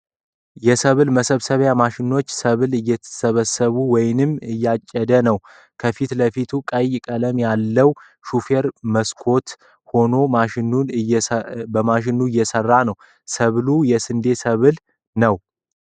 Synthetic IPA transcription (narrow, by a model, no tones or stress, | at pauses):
jɛsəβɨlməsəβsəβjamaʃɪnot͡ʃːsəβɨlɨjːɛ̥səβəsəβuwɔjnɨmɨjːat͡ʃʼːɛd̪ənəw | kʰəfit̪ləfit̪ʰukʼəjkʼələmjalːəw | ʃufe̞ɾməskʰo̞t̪ | ho̞no̞maʃɪnun | bəmaʃ̬ɪnːuɨjːɛsərːanəw | səβlujɛsɨnd̪e̞səβɨl | nəw